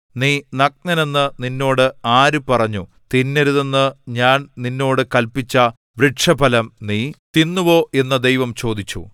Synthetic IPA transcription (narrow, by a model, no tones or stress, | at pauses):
niːnɐk̚nɐne̞nːɨninːo̞ːɽɨaːɾupɐrɐɲːu | t̪inːeɾuðenːɨɲaːnninːo̞ːɽɨkɐlpit͡ɕːɐ | ʋriʈʂɐbʱɐlɐmniːt̪inːuʋo̞ːʔe̞nːɐd̪ejʋɐmt͡ɕo̞ːd̪it͡ɕːṵ